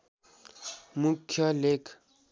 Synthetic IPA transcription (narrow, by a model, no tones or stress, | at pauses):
mukʰːjʌlek